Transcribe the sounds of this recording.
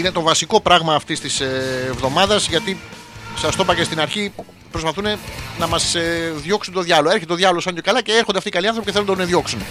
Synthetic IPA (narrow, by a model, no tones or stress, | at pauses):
ine̞t̪o̞vɐsiko̞pɾɐɣmɐːft̪ist̪isːvðo̞mɐðɐzʝɐt̪i | sɐst̪o̞pɐcest̪inɐɾçi | pɾo̞spɐθune̞nɐmɐzðʝo̞ksunt̪o̞ðʝɐloeɾçeeoʝɐvolosɐnt̪o̞kɐlɐce̞eɾxond̪ft̪ikɐliɐnθopiceθeund̪uneðʝo̞ksun